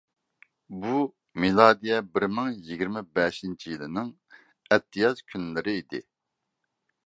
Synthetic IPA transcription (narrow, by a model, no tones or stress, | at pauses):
bu | milˠɑːd̪ijɛbɪɾmɪŋjiɡʲiɾmɪbɛʃint͡ʃʰijilˠɪnɪŋ | ɛt̪ʰːijɑzkʲʰynlɪɾɪid̪ɪ̰